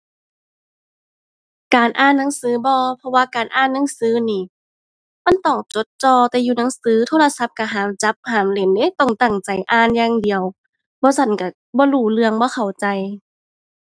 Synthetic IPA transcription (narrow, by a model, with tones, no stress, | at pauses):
kaː˨˩nʔaː˧˥˨nːa˧˥˦ŋsɯː˨˦bɔː˧pʰɔ˧waː˧kaː˨nʔaː˧˥˨nːa˧˥˦ŋsɯː˨˦niː˧˩ | ma˧˥˨nt̪ɔː˧˩ŋt͡ɕo˨˧˦t̪̚t͡ɕɔː˧t̪ɛː˧juː˧na˨˧˦ŋsɯː˨˦t̪ʰoː˧˨la˧sa˧˥p̚ka˧˩ɦaː˨˩˦mt͡ɕa˧˦p̚haː˨˩mle˨˩˦nda˧˥˨t̪ɔ˧˨˩ŋt̪a˨˩ŋt͡ɕa˨˩jʔaː˧˨njaː˧ŋdi˨˩əw | bɔː˧˦sa˧˩nka˧˩ | bɔː˧˦luː˧˩lɯ˧əŋbɔː˧˦xʰa˨˩wt͡ɕa˨j